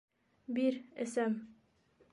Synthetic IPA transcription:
biɾɘ̰sæm

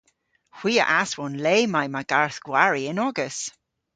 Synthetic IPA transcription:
xw̥iːə̰ʔaswɔnleːmajmaɡ̥aɹθɡ̥waɹiɪnɔɡəs

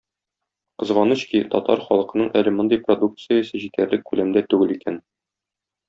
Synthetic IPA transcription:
qɤ̆zʁɑnɤɕkit̪ɒ̰t̪ɑ̰ɾχɒlˠɤ̆qɤ̆nɤɴʔælɘmŏnd̪ɤjprod̪uk̚t̪sɨjəsɤʑit̪æɾlɘk̚ːʉlæmd̪æt̪ʉɡɘlikæn

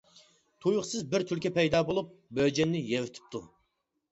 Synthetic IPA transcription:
t̪ʰujʊχsɨzbɪɾt̪ʰylkʲʰɛpʰɛjd̪ɑːbolˠup̚bød͡ʒɛnːɪjɛwyt̪ʰɪ̥p̚t̪ʰu

